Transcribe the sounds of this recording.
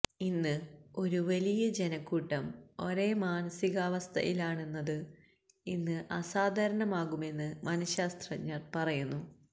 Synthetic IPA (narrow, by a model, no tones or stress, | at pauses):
inːɨo̞ɾuʋɐlijɐd͡ʑe̞nɐkːuːʈːɐmo̞ɾe̞ːmaːnɐsiɣɐʋɐst̪ʰɐ̰jʔilaːɳe̞nːɐðɨ | inːɨʔɐsaːd̪ʱɐɾɐɳɐmaːɣume̞nːɨmɐnɐɕaːst̪rɐɲːɐrpɐrɐjunːu